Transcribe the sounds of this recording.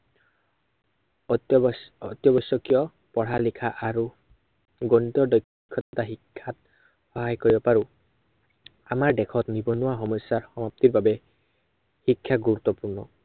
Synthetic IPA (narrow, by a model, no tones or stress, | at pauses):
ɔt̪jɔbɔsɔkijɔ | pɔɽalikʰaʔaɹu | ɡɔnt̪ɔɹdɔjkʰːɔtɔt̪aɦikʰːat̪ | xɔɦajkoɹibɔpaɹu | amaɹdɛkʰɔt̪nibɔnuwaxɔmɔjsːaɹxɔmap̚t̪iɹbabɛ | hikʰːjaɡuɹut̪ːɔpuɹnɔ̰